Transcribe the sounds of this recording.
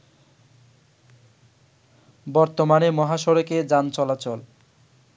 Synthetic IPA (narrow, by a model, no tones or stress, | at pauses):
bɔɾt̪omanemɔɦaʃɔɾoked͡ʑant͡ɕɔlat͡ɕɔl